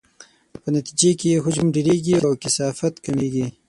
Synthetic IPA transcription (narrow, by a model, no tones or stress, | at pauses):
pənat̪id͡ʒekejeɦʊd͡ʒamɖeɾeɡiawkɪsɑfat̪kameɡi